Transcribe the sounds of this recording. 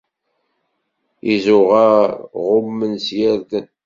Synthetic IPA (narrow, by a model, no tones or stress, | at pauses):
izʊʁæʁʊmːənsjæɾðən